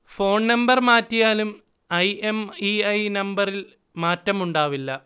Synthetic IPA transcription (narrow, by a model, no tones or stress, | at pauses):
fo̞ːɳnɐmbɐrmaːtːijaːlum | ɐjemiɐjnɐmbɐril | maːtːɐmuɳɖaːʋilːɐ